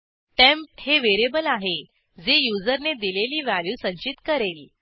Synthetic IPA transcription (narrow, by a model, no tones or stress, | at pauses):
ʈempheʋeɾebəlaɦe | d͡zejud͡zəɾned̪ileliːʋæljuːsə̃ɲt͡ɕit̪kəɾel